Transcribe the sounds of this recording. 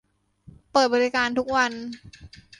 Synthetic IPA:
pɤː˨˩bɔː˧ɾi˧kaː˧nt̪ʰu˦˥k̚wa˧n

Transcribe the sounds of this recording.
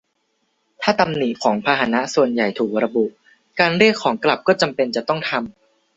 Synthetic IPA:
t̪ʰaː˥˩t̪a˧mni˨˩ʔkʰɔː˩˦ŋpʰaː˧ɦaː˨˦na˦˥ʔsu˨˩ənja˨˩jt̪ʰuː˨˩k̚ɾa˧bu˨˩ʔ | kaː˧nɾi˥˩əkʰːɔː˩˦ŋkla˨˩p̚kɔː˥˩t͡ɕa˧mpe˧nt͡ɕa˨˩t̪ɔ˥˩ŋt̪ʰa˧m

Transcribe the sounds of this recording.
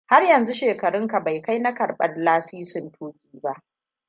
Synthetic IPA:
ha˦rjɐ˨nzu˦ʃeː˨kɐ˨ɾɪ˦ŋka˨ba˨jka˦jna˦kɐ˨ɽɓɐ̰˨rlaː˦siː˦sʊ˨ntʰoː˦kʲiː˦ba˦ʔ

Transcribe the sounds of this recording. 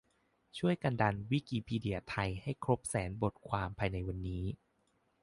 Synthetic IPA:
t͡ɕʰu˥˩əjka˧nda˧nwi˦˥kiː˧pʰiː˧di˧˩ɐt̪ʰa˧jha˥˩jkʰɾo˦˥p̚sɛː˩˦nbo˨˩t̪̚kʰwaː˧mpʰaː˧jna˧jwa˧nːiː˦˥

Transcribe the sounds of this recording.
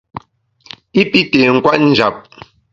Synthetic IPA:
i˦pi˦te˨ŋ̩˨kwa˦t̚n̩˨d͡ʒa˨p̚

